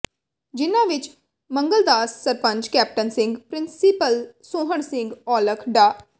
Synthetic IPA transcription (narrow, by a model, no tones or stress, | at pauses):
d͡ʒɪnãːʋɪt͡ʃ | mə̃ŋɡəld̪aːsːəɾpə̃ɲd͡ʒkɛːp̚ʈənsɪ̃ŋɡpɾɪnsipəlsõːɦəɳsɪ̃ŋɡɔːləkʰɖaː